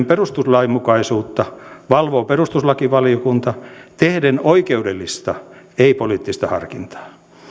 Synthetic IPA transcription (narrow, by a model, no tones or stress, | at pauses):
mperust̪uslɑimukɑisuːt̪ːɑʋɑlʋoːperust̪uslɑkiʋɑljokunt̪ɑt̪ehdenoikeudelːist̪ɑ | eipoliːt̪ːist̪ɑhɑ̰rkint̪ɑ̥ː